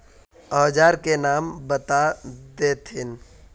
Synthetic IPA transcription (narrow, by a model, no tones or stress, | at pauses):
ɔːd͡ʒaːɾkenaːmbɐt̪ad̪eːt̪ʰɪn